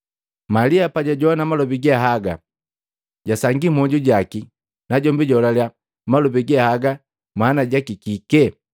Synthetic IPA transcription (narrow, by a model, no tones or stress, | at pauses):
maliapaɟaɟɔanamalɔbiɡaɦaɡa̰ | ɟasaŋɡimɔɟuɟaki | naɟɔmbiɟɔlalja | malɔbiɡɛahaɡa | maːnaɟakikikɛ